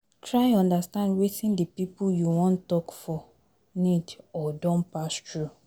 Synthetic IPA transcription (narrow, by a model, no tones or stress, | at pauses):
tʰɹaɪɔ̃ndastãndwetĩndəpipuljuwɔ̃ntɔkfɔ | nidɔdɔ̃npastɹu